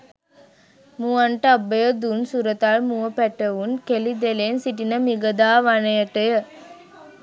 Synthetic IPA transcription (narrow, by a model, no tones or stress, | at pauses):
muaɳʈəabːəjəd̪unsuɾət̪aɭmuʋəpæʈəʋunkelid̪elensiʈinəmiɡəd̪aːʋanəjəʈəjə